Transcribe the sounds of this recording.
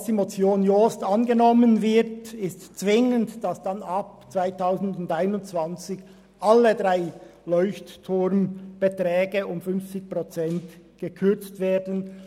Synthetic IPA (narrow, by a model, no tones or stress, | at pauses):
sd̥imot͡sjoːnjoːstɑnɡənɔmənvɪʁtɪstt͡svɪŋəntd̥ɑsd̥ɑnɑp̚ | t͡sv̥aɪtʰaʊzn̩dʊndaɪnʊnt͡sv̥ɑnt͡sɪç | ʔɑlːədʁaɪlɔʏçttʰːʊɾnb̥ətʁɛːɡəʊmfʏnft͡sɪçpʁot͡sɛnt | ɡ̥əkʰʏʁt͡stv̥eːɐdən̩